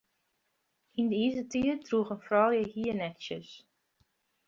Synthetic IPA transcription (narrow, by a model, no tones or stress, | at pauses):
indəizətiərtruxənfrɔlˠjəhiənɛksjəs